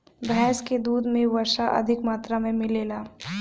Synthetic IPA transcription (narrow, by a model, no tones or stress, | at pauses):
bʱɛːsked̪uːd̪ʱmẽʋəɾʃaʔɐ̰d̪ʱɪkmaːt̪ɾamẽmɪleːlaː